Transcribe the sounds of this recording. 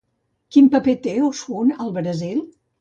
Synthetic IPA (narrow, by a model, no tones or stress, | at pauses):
kimpəpet̪eosunəlˠβɾəzilˠ